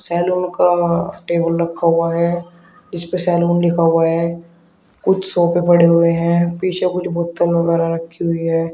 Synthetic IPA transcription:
sɛːluːnkaʈeːbəlɾɐkʰːaɦuaɦɛː | d͡ʒɪspesɛːluːnlɪkʰaɦʊaɦɛː | kʊt͡ʃʰsɔːpepɐɽeɦʊeɦɛ̃ːpiːt͡ʃʰekʊt͡ʃʰbʊt̪ːəlʋɐɣɛːɾaɾɐkʰːiɦʊiɦɛː

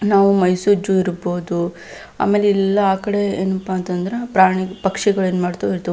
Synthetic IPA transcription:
naːʋumɐjsuɾd͡ʒuiɾboːd̪u | a̰ːme̞ːleilːɐaːkɐɽe̞ḛːnɐpːaːnt̪ɐnd̪ɐɾepɾaːɳipɐkʂɛɡɐɭeːnmaːɽt̪ɐiɾt̪ɐ

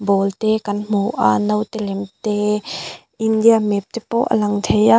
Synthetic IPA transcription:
bɔlt̪ɛkɐnm̥uʔa̰nəwt̪ɛlɛmt̪ɛ | ʔind̪iamɛp̚t̪epɔ̰ʔə̰lɐŋt̪ʰeja

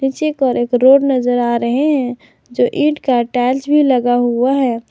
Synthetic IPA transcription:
niːt͡ʃekɔɾeːkɾoːɖnəzəɾaːɾəɦeɦɛ̃ | d͡ʒoːʔɪ̃ʈkaʈɛːsbʱiləɡaɦuaɦɛː

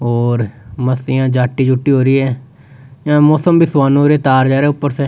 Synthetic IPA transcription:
ɦoːɾməsɪjãːd͡ʒaːʈːiːd͡ʒʊʈːiːɦoːɾiːɛ̃ː | jãːmɔːsəmbɪswaːnõːɾeːt̪aːɾd͡ʒaːɾeːʊpːəɾsɛː

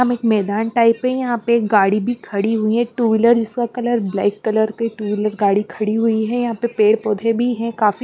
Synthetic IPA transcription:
ɦɐmeːkmɛːd̪aːnʈaːɪpɦɛ̃jɐɦãpeɡaːɽibʱikʰɐɽiɦʊiɦɛ̃ʈuːʋɪləɾd͡ʒɪskakɐləɾblɛ̰ːkːɐləɾkoiʈuːʋɪləɾɡaːɽikʰɐɽiɦʊiɦɛjɐɦãpepeːɽpoːd̪ʱẽbʱiɦɛ̃kaːfi

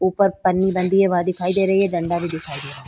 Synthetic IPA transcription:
uːpəɾpənːibə̃nd̪iɦɛʋad̪ɪkʰaːid̪eːɾɐɦiɦɛɖɐ̃ɳɖabʱid̪ɪkʰaːid̪ea

